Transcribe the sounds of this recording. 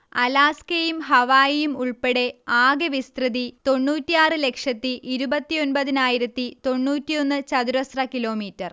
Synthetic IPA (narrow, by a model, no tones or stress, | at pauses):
ɐlaːskejumɦɐʋaːjjumuɭpeɽe̞aːɡɐʋist̪rɨðit̪o̞ɳːuːtːijaːrɨle̞kʂɐt̪ːiʔiɾubɐt̪ːio̞nbɐðinaːjiɾɐt̪ːit̪o̞ɳːuːtːijo̞nːɨt͡ɕɐðuɾɐsrɐkilo̞ːmiːtːɐr